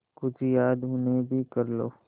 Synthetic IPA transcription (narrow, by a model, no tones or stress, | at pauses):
kʊt͡ʃʰijaːd̪ɦʊnebʱikɐɾlo̰ː